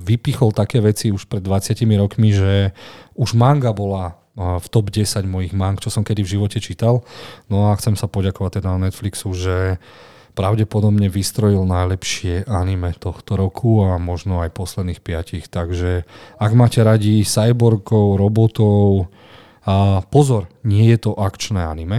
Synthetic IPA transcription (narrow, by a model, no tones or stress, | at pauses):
ʋipixɔlt̪akɛːʋɛt͡siuʃpɾɛd̪ːʋat͡sɪacimiɾɔkmiʒɛuʒmaŋɡabɔla | ft̪ɔbɟɛsaɟmɔjiɣmaŋkt͡ʃɔsɔmkɛd̪ivʒiʋɔcɛt͡ʃit̪alnɔaxt͡sɛmsapɔɟakɔʋac̚t̪ɛd̪ananɛt̪fliksuʒɛ | pɾaʊɟɛpɔd̪ɔbɲɛʋist̪ɾɔjilnajlɛpʃɪɛʔanimɛt̪ɔxt̪ɔɾɔkʰuamɔʒnɔajpɔslɛd̪niːxpɪacixt̪aɡʒɛaɡmaːcɛɾaɟisajbɔɾɡɔʊɾɔbɔt̪ɔʊ | pɔzɔɾɲɪɛjɛt̪ɔʔakt͡ʃnɛːanimɛ